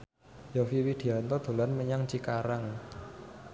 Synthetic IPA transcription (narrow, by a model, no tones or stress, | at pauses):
jɔfiwid̪̥i̤ant̪ɔd̪̥o̤lanməɲaŋt͡ʃikaɾaŋ